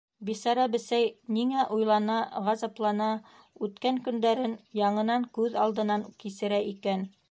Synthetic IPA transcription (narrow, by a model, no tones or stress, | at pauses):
bisɑɾɑbɘ̆sæjniŋæʔujlˠɑnɑʁɑzɑplˠɑnɑ | ʉt̪kæŋkɵ̆nd̪æɾɘnjɑɴɤ̆nɑŋkʉðɑlˠd̪ɤ̆nɑŋkisɘ̆ɾæʔikæn